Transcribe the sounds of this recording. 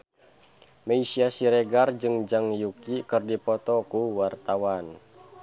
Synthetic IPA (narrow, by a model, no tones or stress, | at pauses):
meisiasiɾeɡard͡ʒɨŋd͡ʒaŋjukikɨrdipɔt̪ɔkuwart̪awan